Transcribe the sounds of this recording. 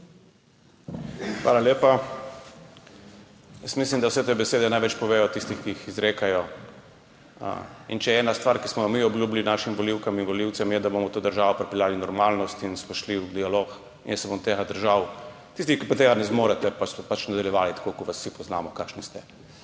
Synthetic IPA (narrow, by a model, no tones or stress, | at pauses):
xʋa̰ːlaleːpa | jəsmis̬limd̪awsɛt̪eːbɛseːd̪ɛnajʋɛt͡ʃpɔʋeːjɔt̪ist̪ixkiixizɾeːkajɔ | int͡ʃɛɛːnast̪ʋaːɾkismɔmiɔbljuːblinaːʃimʋɔliwkaminʋɔliwt̪sɛmjɛd̪abomɔt̪oːd̪əɾʒaːʋɔpɾɛpɛljaːlinɔɾmaːlnɔst̪insmɔʃliwd̪ialok | injɛsɛbomt̪eːɣad̪əɾʒaw | t̪ist̪ixkipat̪eɣanɛzmoːɾɛt̪ɛpasɔpat͡ʃnad̪aljɛʋaːlit̪ḁkokɔʋasːipɔznaːmɔkaːkʃnist̪ɛ